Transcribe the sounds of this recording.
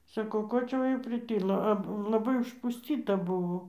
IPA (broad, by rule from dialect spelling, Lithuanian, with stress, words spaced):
sɐˈkɐʊ ˈkoː t͡ʃʲɛ ˈʋɐ jɛʊ pʲrʲɪˈtʲɪlˠoː ɐ lˠɐˈbɐɪ ʊʃpʊsʲˈtʲiːtɐ ˈbʊʋoː